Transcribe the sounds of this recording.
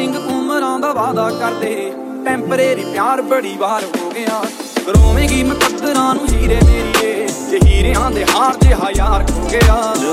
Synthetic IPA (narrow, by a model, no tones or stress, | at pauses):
ɪŋɡkʊːməɾãːd̪aːʋaːd̪aːkəɾd̪eː | ʈɛ̃ːmpɾeːɾiːpjaːɾbəɽiːʋaːɾɦoːɡɪjaː | ɡəɾoːʋẽːɡiːməpət̪ːəɾãːnũːd͡ʒiːɾeːd̪eːɾɪjeːd͡ʒəɦiːɾeːãːd̪eːɦaːɾd͡ʒeɦaːjaːɾkõːɡəjaː